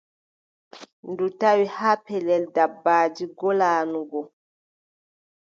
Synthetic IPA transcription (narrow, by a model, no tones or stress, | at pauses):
ndutawihaːpɛlɛldabːaːd͡ʒiɡɔlaːnuɡɔ